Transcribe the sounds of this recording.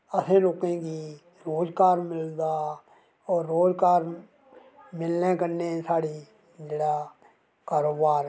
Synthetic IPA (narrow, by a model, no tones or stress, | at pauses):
əsẽːloːkẽːkiː | ɾoːd͡ʒkaːɾmɪld̪aː | ɔːɾːoːd͡ʒkaːɾ | mɪlnẽːkəneːsaːɽiː | d͡ʒeːɽaː | kaːɾoːbaːɾ